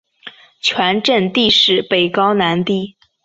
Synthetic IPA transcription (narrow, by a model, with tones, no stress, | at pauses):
t͡ɕʰwa˧˥nʈ͡ʂə˥˧nt̪i˥˧ʂɻ̩˨˩pe˨˩ɪkɑ˥ʊna˧˥nt̪i˥˩